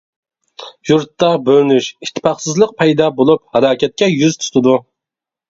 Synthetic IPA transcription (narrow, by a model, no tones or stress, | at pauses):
juɾt̪ːɑbøɾnyʃiʃt̪ʰːɪ̥pɑχsɨzlˠəq̚pʰɛjd̪ɑbolˠup̚hɛlˠɑːkʲʰɛt̪̚kʲɛjyzt̪ʰu̥t̪ʰɨd̪u